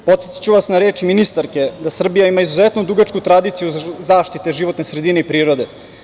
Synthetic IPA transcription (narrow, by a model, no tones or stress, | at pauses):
po̞t̪set̪i̥t͡ɕuʋasnaɾeːt͡ʃiminist̪aɾke̞d̪asr̩bijaimaizuzet̪nod̪uɡat͡ʃkut̪ɾad̪it̪sijuzaːʃt̪it̪eʒiʋo̞t̪nesɾed̪ine̞ipɾiːɾo̞d̪e̞